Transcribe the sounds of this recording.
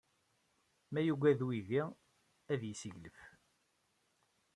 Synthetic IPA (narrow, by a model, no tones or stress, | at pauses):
mæjuɡʷæðwivi | æðjisiʝləf